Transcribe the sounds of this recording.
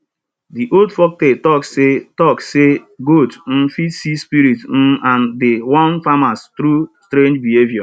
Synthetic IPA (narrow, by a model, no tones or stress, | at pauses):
diʔoldfɔk̚tetɔksːetɔksseɡotn̩fitsispiɾitn̩ʔandewɔ̃nfamastɾustɾẽnd͡ʒbiɦevjɔ